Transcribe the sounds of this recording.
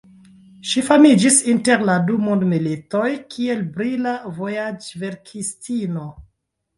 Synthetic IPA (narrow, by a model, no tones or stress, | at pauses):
ʃifamid͡ʒisinte̞ɾladumondmilito̞jkʰie̞lbɾilavo̞jad͡ʒve̞ɾkʰistino̞